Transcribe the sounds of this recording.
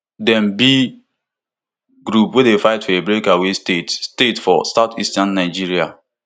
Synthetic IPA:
dɛm̩bi | ɡɾupwedefaɪtfɔebɾekawestetstetfɔ̰saʊtʰistanːaɪd͡ʒiɾia

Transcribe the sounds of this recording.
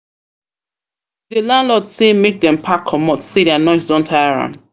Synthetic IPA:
dəlãnlɔdsemek̚dɛ̃mpʰakʰːɔmɔtseɾɛanɔɪsdɔ̃ntʰaɪɹã̰nd

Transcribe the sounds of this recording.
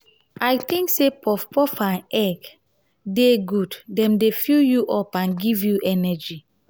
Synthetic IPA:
ajt̪ĩŋksepʰɔfpɔfãnɛɡ | deɡuddɛ̃mdefujuʔɔpãnɡivjuʔɛnɛd͡ʒi

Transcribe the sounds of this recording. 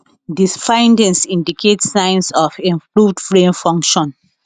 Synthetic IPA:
disfãɪ̃ndɛ̃nsĩndikʰetsːãɪ̃nsɔfĩmpluvdfɹẽnfɔ̃ŋkʃɔ̃n

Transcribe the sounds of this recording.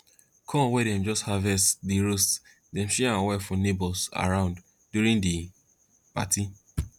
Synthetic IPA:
kʰɔ̃wɛdɛ̃md͡ʒɔsthavɛstdiɹost | dɛ̃nʃɛãwɛfɔ̃nebɔlsa̰ɹãʊ̃nd | djuɹĩndi | pa̰ti

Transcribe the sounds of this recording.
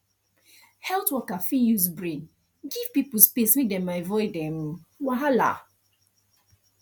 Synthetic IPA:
hɛltwɔkafijuzbɹẽn | ɡiv̥pipʊspeswidɛ̃maɪvɔɪdɛm̩waɦala̰

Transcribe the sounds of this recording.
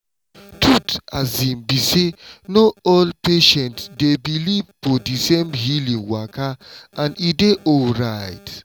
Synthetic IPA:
tʰutazĩmbisenoɔlpeʃɛ̃ntsdebilivfɔdisemɦilĩŋwakaʔãnideʔɔlɹaɪt

